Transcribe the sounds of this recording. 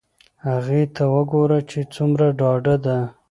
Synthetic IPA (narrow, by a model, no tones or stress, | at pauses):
haɣet̪ʰawəɡoɾat͡ʃet͡sumɾaɖɑɖad̪a